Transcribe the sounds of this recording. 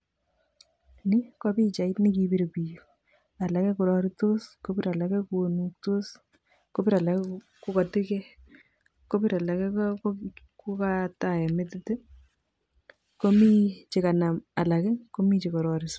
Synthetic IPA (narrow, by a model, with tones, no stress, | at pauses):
ni˦kɔ˦pi˦t͡ʃa˨i˦tni˦kibi˦ɾe˨pi˨jo˨ | a˨la˨kɛ˦ku˨ɾɔ˦ɾi˦to˦sko˦biɾa˨la˨kɛ˦ku˨o˨nuk̚to˦s | ko˦piɾa˨la˨kɛ˦ | ku˦ka˨ti˦kɛ˦ | ko˦pi˦ɾa˨la˨kɛ˦k | ku˦kata˨ɛ˨metɪ˦te˦ | ko˦mi˦t͡ʃe˨ka˨na˨ma˨la˨kɛ˦ko˦mi˦t͡ʃi˨kɔ˨ɾɔɾis